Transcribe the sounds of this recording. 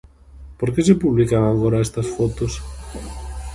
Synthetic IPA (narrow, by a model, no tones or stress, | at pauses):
poɾkesepuβlikaβaɣoɾɐest̪ɐsfot̪os